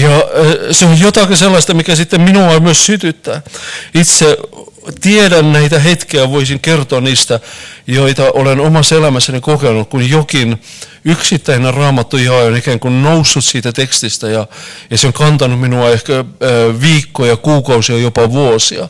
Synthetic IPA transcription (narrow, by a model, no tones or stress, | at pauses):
jɑseojjot̪ɑkiselːɑst̪ɑmikæsit̪ːemminuɑmyøssyt̪yt̪ːæit̪se | t̪iedænnæit̪æhet̪keæʋoisiŋkert̪oɑnniːst̪æjoit̪ɑʔolenomɑsːelæmæsːænikokenukkunjokin | yksit̪ːæinerɑːmɑt̪ːujɑːjonikæːŋkunnousːut̪siːt̪æt̪ekst̪ist̪æjɑjɑseoŋkɑnt̪ɑnumminuɑehkæʋiːkːojɑkuːkɑusiɑjopɑʋuosiɑ